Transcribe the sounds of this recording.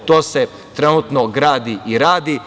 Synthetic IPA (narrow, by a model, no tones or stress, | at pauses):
t̪oːse | t̪ɾenut̪noɡɾaːd̪iʔiɾaːd̪i